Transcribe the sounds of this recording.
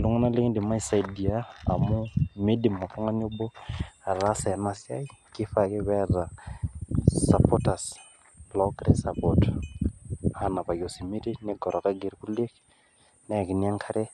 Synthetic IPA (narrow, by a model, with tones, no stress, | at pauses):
lʊ˦ŋ˦na˦lɪ˦ŋdɪ˨ma˦i˨sa˨jdi˨a̰ː˦˨mʊ˦me˦dɪ˨ma˨tɔ˦ŋa˦ɲo˦bɔ˦a˨ɾa˦sa˨na˨sɪ˦a̰˦i˦kɪ˦fakɪ˦βɛ˦ɾa˨ | sa˨pʰɔta˨s | blɔ˦kɾɛ˦sa˨pɔt | a˨na˨pa˨jo˨si˨mi˦ɾe˦nɛ˦ɡɔ˨ɾɔ˨ka˦ɡe˨ɾku˦le˦k | nɛ˨kɪ˨n˦a˦ŋkʰa˦ɾe˦